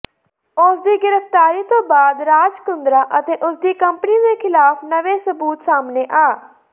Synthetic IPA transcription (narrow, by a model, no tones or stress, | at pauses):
ʊsd̪iːɡɪɾəft̪aːɾiːt̪õːbaːd̪ɾaːd͡ʒkʊnd̪ɾaːʔət̪eːʔʊsd̪iːkəmpniːd̪eːkʰɪlaːpnəʋeːsəbuːt̪saːmneːʔaː